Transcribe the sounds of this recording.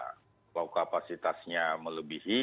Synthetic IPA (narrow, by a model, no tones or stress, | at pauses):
k | lawkapasit̪asɲamələbihi